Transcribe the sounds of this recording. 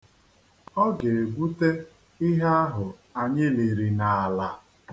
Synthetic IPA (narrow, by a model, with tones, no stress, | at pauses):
ɔ˦ɡe˨e˨ɡʷu˦te˦ | ɪ˦ɦe˦a˦ɦʊ˨a˨ɲɪ˦li˨ɾi˨na˨a˨la˨